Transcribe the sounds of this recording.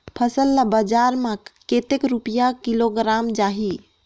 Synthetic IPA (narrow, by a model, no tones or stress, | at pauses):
pʰəsəlːabəd͡ʒaɾmaket̪ekɾupijakiloɡɾamd͡ʒaɦi